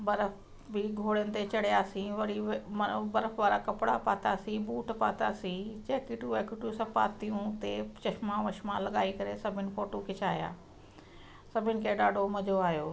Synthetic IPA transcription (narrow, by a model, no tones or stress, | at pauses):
bɐɾəf | bɪɡʱoːɽjənɪ̆t̪et͡ɕɐɽ̤ijaːsĩʋɐɾimɐbɐɾəfʋaːɾakɐpɪɽapaːt̪aːsĩbuːʈpaːt̪aːsĩt͡ɕɛːkiʈuʋɛːkɪʈusɐ̃pa̰ːt̪ijũt̪et͡ɕɐʃmãʋɐʃmãlɐɠaːikɐɾesɐbʱɪnɪ̆foːʈokʰet͡ɕaːja̰ː | sɐbʱɪnɪ̆kʰeːɗaːɖʱomɐd͡ʑoaːɦjoː